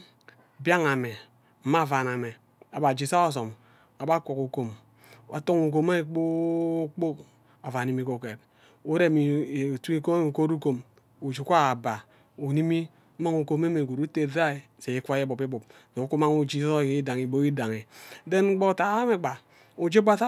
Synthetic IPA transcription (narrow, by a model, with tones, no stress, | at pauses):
bja˦ŋa˨me˨ | m̩˦ma˦˨va˨na˨me˨ | a˨ba˨d͡ʒi˨sa˦o˦s̬o˨m | a˨ba˦ko˨ku˨ko˨m | a̰˨to˦ŋu˨k̬o˨ma˦˨k͡po˦k͡po˦k | a˨va˨i˨mi˦ko˨ke˨t | u˦ɾe˦mi˨tu˦i˦ko˦˨ko˦ɾu˦ko˨m | u˨d͡ʒi˨˦kʷa˦a˨ba˨ | u˨ni˦mi˦ | ma˦ŋu˨ko˨me˦me˨ɡo˨ɾu˦te˨da˦e˨ | se˨i˦kʷa˦e˦bo˨pi˦bu˨pso˨˦ku˦ma˦ŋu˦d͡ʒi˦sda˨ŋi˨bo˦i˦da˨ŋe˨de˦n̩˦ɡ͡bo˦ta˨˦a˦me˨ɡ͡ba˨ | o˨d͡ʒe˦ba˦sa˦